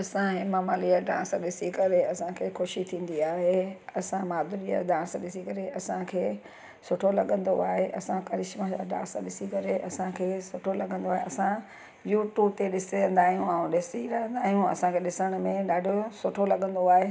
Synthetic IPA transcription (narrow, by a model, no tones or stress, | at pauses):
ɐsãɦɪmamaːliaɖã̰ːsɗɪsikɐɾeɐsãkʰeːxʰoʃit̪ʰĩːn̆d̪iaːɦeɐsãmaːd̪ʊɾija̰ɖãːsɗɪsikɐɾeʔɐsãkʰeː | sʊʈʰolɐɠə̃nd̪o̰aːɦeʔɐsãkɐɾɪʃmãd͡ʑa̰ɖã̰ːsɗɪsikɐɾeʔɐsãkʰeːsʊʈʰolɐɠə̃nd̪oaːɦeʔɐsã | juːʈjuːb̚t̪eɗɪsɐ̃nd̪aːɦijũaũɗɪsiɾɐɦə̃nd̪aːɦijũɐ̰sãkʰeɗɪsəɽ̃ʊ̆mẽɗaːɖʱosʊʈʰolɐɠə̃nd̪oaːɦe